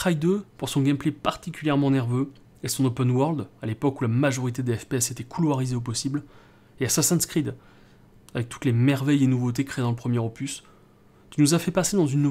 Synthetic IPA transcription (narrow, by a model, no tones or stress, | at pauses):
χajd̪øpuʁsɔ̃ɡʲɛmplepaʁt̪ikʲyljɛʁmɑ̃nɛʁvø | esɔ̃nopɛnwœʁld̪alepɔkulamaʒɔʁit̪ed̪eɛfpeɛset̪ɛkʰulwaʁizeop̬ɔsibl | easasɛ̃nskχid̪ | avɛk̚t̪u̥t̪lemɛʁvɛjenuvot̪̬ekχed̪ɑ̃ləpχəmjeʁɔpys | t̪ynuzafɛpased̪ɑ̃zynːu